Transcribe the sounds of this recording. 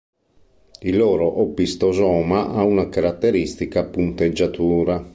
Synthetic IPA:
ilɔːɾoʔɔpːist̪ozɔːmaʔaunakaɾat̪ːeɾist̪ikapunt̪ed͡ʒːat̪uːɾa

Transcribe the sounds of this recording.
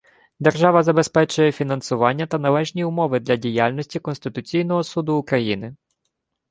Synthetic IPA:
d̪erʒɑʋɐzɐbe̞spɛt͡ʃʊjɛfʲinɐnsʊʋɑnʲːɐt̪ɐnɐlˠɛʒnʲiʊmɔʋɪd̪lʲɐdʲijɑlʲnɔsʲtʲikɔnst̪ɪt̪ʊt͡sʲijnɔɦɔsud̪ʊːkɾɐjinɪ

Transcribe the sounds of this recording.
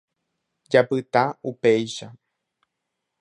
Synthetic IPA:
d͡ʒapɨt̪aupejʃa

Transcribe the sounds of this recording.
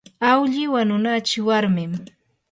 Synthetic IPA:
awʎɪwanʊnat͡ʃɪwaɾmɪm

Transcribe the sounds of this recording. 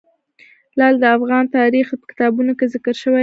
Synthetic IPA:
lɑld̪əafɣɑnt̪ɑɾixpə̥kɪ̥t̪ɑbunokezɪkəɾʃəwa

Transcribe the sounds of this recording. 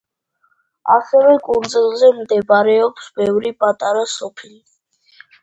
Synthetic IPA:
a̰sɛvɛkʼund̪zilˠzɛmd̪ɛbaɾɛɔpsbɛvɾipʼat̪ʼaɾasɔpʰili

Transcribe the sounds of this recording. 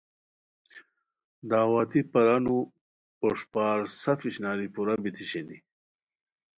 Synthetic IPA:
d̪aːwaːt̪ipɐɾanu | oʂpaːɾsɐfiɕnaːɾipuɾabit̪ʰiɕenḭ

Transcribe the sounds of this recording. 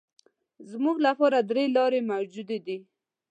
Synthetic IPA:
zmuɡlapɑɾad̪ɾelɑɾemawd͡ʒud̪ed̪i

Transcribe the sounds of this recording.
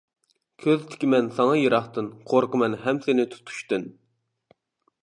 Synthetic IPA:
kʲʰøzt̪ʰɪ̥kʲimɛnsɑŋɑjeɾɑχt̪ɨnqʰoɾqəmɛnɦɛmsɪnɪt̪ʰu̥t̪ʰu̥ʃt̪ɨn

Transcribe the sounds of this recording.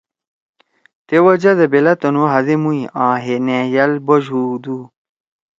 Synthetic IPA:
t̪ewɐd͡ʑɐd̪ɐbelɐt̪onuɦɐzemuiʔãːɦenẽjɐlboʑuːd̪u

